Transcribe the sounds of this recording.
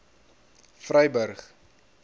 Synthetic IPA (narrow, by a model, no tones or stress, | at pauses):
frœjbərχ